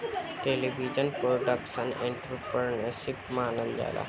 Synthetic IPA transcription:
ʈelibʱid͡ʒənpɾoɖəksənẽɳʈɾup̚kəɾnesipmaːnəld͡ʒa̰jlʔa̰

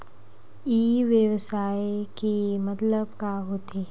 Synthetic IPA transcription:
iːʋjəwsaːekemɐt̪ləbkaɦoːt̪eː

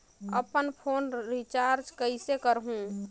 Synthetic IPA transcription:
ə̰pənpʰoːnɾit͡ʃaɾd͡ʒkəɪsekəɾɦũ

